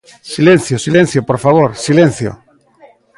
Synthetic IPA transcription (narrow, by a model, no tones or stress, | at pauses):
silẽn̟θjosilen̟θjopoɾfaβ̞oɾsilẽn̟θjo̰